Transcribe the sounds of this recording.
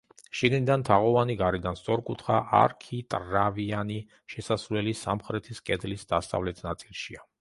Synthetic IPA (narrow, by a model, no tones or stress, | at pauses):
ʃiɡnid̪ant̪ʰaʁɔvaniɡaɾɛd̪anst̪sʼɔɾkʼut̪ʰχaʔa̰ɾkʰit̪ʼɾaviani | ʃɛsasɾlɛlisamχɾɛt̪ʰiskʼɛd̪lisd̪ast̪ʼa̰vlɛt̪ʰnat̪sʼilˠʃia